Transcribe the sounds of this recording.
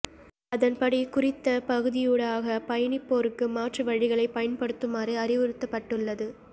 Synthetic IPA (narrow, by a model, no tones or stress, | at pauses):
ɐðɐnpɐɽikʊrɪt̪ːɐpɐɣɯðɪjuːɽaːɣɐpɐjɐɳɪpːoːɾɯkːɯmaːʈrɯʋɐɻɪɣɐɭɐɪpːɐjɐnpɐɽɯt̪ːɯmɐrɯɐrɪʋɯɾɯt̪ːɐpːɐʈːɯɭːɐðɯ